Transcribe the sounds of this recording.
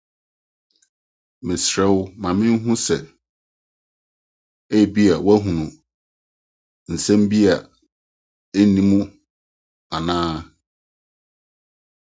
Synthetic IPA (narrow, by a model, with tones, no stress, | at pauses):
mɪ̃˨sɾɛ˦wʊ˦mã˨mɪ̃˦ɦʊ̃˦sɛ˨ | e˦˨bi˦a˨wa˦ɦũ˨nũ˨ | n̩˨sɛ̃˦m˦bi˦a˨ | e˦nĩ˦mũ˦ | a˨nãː˦